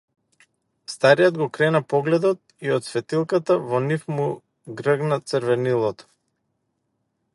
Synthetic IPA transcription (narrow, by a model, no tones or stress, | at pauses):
st̪aɾijɔd̪ɡɔkɾɛnapɔɡlɛd̪ɔt̪̚ | iɔt̪svɛt̪ilˠkat̪avɔnifmu | ɡɾəɡnat̪səɾvɛnilˠɔt̪ɔ̥